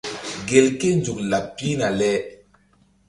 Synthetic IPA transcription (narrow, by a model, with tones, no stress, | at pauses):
ɡe˨lke˦nd͡ʒu˨k̚la˨pːi˦na˨lɛ˦